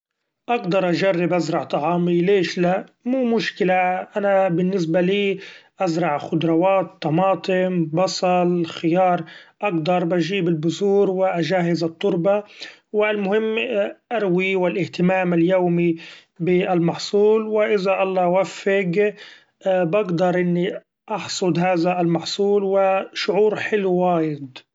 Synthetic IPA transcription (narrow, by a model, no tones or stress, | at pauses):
ʔaɡd̪ɑɾˤʔaʒarːɪbʔazɾˤɑʕt̪ˤɑʕɑːmileːʃlaʔmuːmʊʃkɪlaʔanabɪnːɪs̬baliːʔazɾˤɑʕxʊd̪ɾˤɑwaːt̪ːɑmɑːt̪ˤɪmbɑsˤɑlxɪjɑːɾˤʔaɡd̪ɑɾˤbʔaʒiːbɪlbʊzuːɾwɪʔaʒaːhɪzɨt̪ˤːʊɾbawɪlmʊhɪmːʔaɾwiwɪlʔɪht̪ɪmaːmɪljoːmibɪʔalmɑħsˤuːlwɪʔɪzaʔɑlˤːɑːwafːɪɡ | baɡd̪ɑɾˤʔɪnːi | ʔɑħsˤʊd̪ɦaːðaɪlmɑħsˤuːlwɪʃʊʕuːɾħɪluwaːjɪd̪